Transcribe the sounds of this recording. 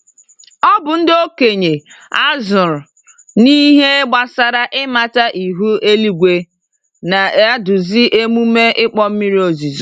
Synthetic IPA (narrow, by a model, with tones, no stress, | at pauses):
ɔ˦bʊ˨n̩˦do˦ke˨ɲe˨a˦zʊ˨ɾʊ˨ | ni˦ɦe˦ɡ͡ba˨sa˨ɾa˦ʔɪ˦ma˨ta˦ʔi˨ɦu˦e˦li˦ɡʷe˨ | na˨˦a˦dʊ˨zi˦ʔe˦mu˦me˦ʔɪ˦k͡pɔ˦m̩˦mi˦ɾi˦o˨zi˨z